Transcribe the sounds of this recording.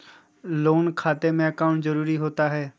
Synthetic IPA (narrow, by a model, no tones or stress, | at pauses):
loːnkʰaːt̪emẽəkaʊ̃ɳʈzəɾuːɾiɦoːt̪aːɦɛː